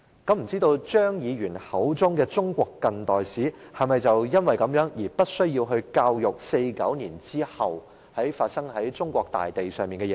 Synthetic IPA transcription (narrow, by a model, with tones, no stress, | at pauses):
kɐ˨˥m̩˨˩t͡siː˥t̪o˧wt͡ʃœː˥ŋjiː˨˧ɥyː˨˩nhɐ˨˥wt͡sʊ˥ŋkɛː˧t͡sʊ˥ŋkʷɔː˧kːɐ˧nt̪ɔː˨jsiː˨˥hɐ˨˩mɐ˨jt͡sɐ˨wjɐ˥nwɐ˨jkɐ˨˧˥mjœː˨˥ŋjiː˨˩pɐ˥t̚sɵ˥ɥjiː˧wɦɵ˧ɥkaː˧wjʊ˨k̚se˧jkɐ˨˥wniː˨˩nt͡siː˥hɐ˨w | hɐ˨˥jfaː˧t̚sɐ˥ŋhɐ˨˥jt͡ʃʊ˥ŋkʷɔː˧k̚t̪a̰ː˨jt̪e˨jsœː˨˩ŋmiː˨nkɛ˧jɛ˨˩